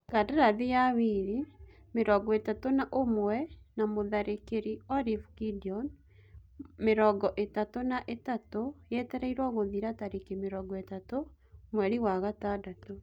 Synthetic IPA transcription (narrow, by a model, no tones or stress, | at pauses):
kadaɾaðijawiɾi | meɾɔɡɔetatonaʔomwɛnamoðaɾekeɾiɔɾifkidiɔn | meɾɔɡɔʔetatonaʔetatojɛtɛɾɛiɾwaɣoðiɾataɾekemeɾɔɡɔetato | mwɛɾiwaɣatadato